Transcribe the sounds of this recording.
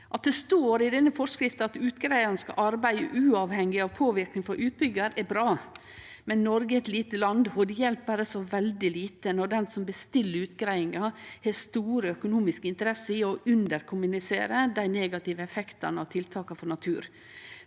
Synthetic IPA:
ʔɑt̪̚d̪ɛst̪oːɾɪd̪ɛnːəfɔʂkɾɪft̪nɑt̪ʉːt̪ɡɾæɪɑnəskɑ̰ʔɑɾbæɪə̰ʔʉːɑːʋhɛŋːɪɑʋpʰoːʋɪɾknɪŋfɔɾʔʉːt̪̚bʏɡəɾɛbɾɑː | mɛnnɔɾɡəɛt̪liːt̪əlɑnd̪hɔd̪jɛlpbæɾəsɔʋɛld̪ɪliːt̪ənɔɖɛnsɔmbəst̪ɪlːəɾʉːt̪ɡɾæɪɪŋɑheːst̪uːɾəœkʊnuːmɪskəɪnt̪əɾɛsəɪɔʔʉnd̪əɾkʰʊmʉnɪsḛːɾəd̪æɪneːɡɑt̪ɪʋəɛfɛkt̪ɑ̰nəɑt̪ʰɪlt̪ʰɑːkɑfɔnɑt̪ʰʉːɾ

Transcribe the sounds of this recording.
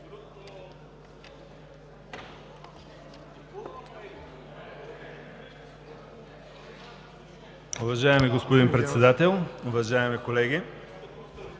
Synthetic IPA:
ʊvɐʒaɛmiɡospod̪inpɾɛt̪sɛd̪at̪ɛlˠʊvɐʒaɛmikolɛɡʲi

